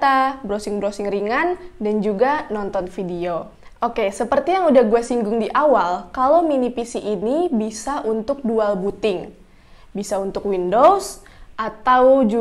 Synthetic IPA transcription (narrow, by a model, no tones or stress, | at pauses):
t̪abɾosɪŋbəɾosɪŋriŋandand͡ʒuɡanɔnt̪ɔnfidio | ʔokesəpərt̪ijaŋudahɡuasiŋɡʊŋdiʔawalkalominipisiʔːnibisaʔunt̪ʊk̚dualbut̪ɪŋ | bisaunt̪ʊkwindos | ʔat̪awd͡ʒu